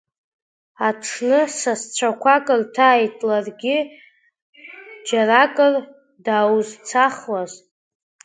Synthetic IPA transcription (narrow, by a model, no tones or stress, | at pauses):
aʈ͡ʂʰnɨsast͡ɕʷʰakʷʰakʼɨrtʰaːjtʼlarɡʲɪ | d͡ʒarakʼɨr | daːwuzt͡sʰaχlaz